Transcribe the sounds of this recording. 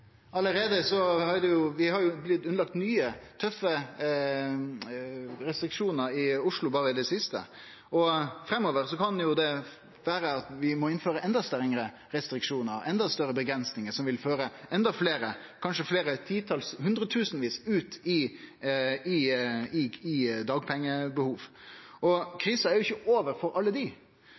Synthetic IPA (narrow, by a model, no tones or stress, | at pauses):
ɑləɾeːd̪əsɔhɑɾd̪ɛjʊʋɪhɑɾjʊblɪt̪ːʉnlɑk̚t̪nyːət̪ʰœfːə | ɾɛst̪ɾɪkʂuːnəɾɪʊʂɭʊbɑːɾəd̪ɛsɪst̪ə̰ | ɔfɾɛmːoːʋəɾsɔkʰɑnjʊd̪ɛ | ʋæːɾəɑt̪ʋɪmɔɪnføːɾəʔɛnd̪ɑst̪œɾɪŋəɾə | ɾɛst̪ɾɪkʂuːnəɾɛnd̪ɑst̪œɾəbəɡɾɛnsnɪŋəsɔmʋɪlføːɾəɛnd̪ɑfleːɾəkʰɑnʂəfleːɾət̪ʰiːt̪ʰɑlshʉnd̪ɾət̪ʰʉːsnʋiːsʉːt̪ɪ | ɪɪɪd̪ɑːɡ̚pʰɛŋːəbəhuːʋ | ɔkʰɾiːsɑæɾjʊɪçːəʔoːʋəɾfɔɾɑlːəd̪ɪ